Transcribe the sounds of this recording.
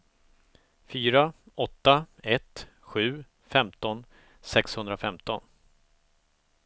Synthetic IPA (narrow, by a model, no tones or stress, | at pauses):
fyːɾaɔt̪ːaɛt̪ | ɧʉ̟ː | fɛmt̪ɔn | sɛkshɵnd̪ɾafɛmt̪ɔn